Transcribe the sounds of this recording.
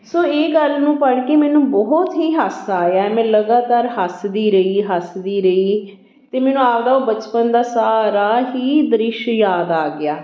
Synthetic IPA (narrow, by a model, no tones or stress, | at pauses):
soːeːɡəlnũːpəɽkeːmɛːnũːbɔɦt̪ɦiːɦəsaːjaːɛmɛ̃ːləɡaːt̪aːɾɦəsd̪iːɾəiːɦəsd̪iːɾəiː | t̪eːmɛːnũːaːʋd̪aːoːbət͡ʃpənd̪aːsaːɾaːɦiːd̪əɾɪʃjaːd̪aːɡɪaː